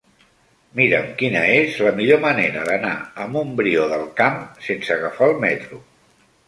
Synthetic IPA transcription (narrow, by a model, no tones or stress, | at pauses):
miɾə̰mkinəezləmiʎoməneɾəðəna̰əmumbɾioðəlˠkamsensəɣəfalˠmɛt̪ɾu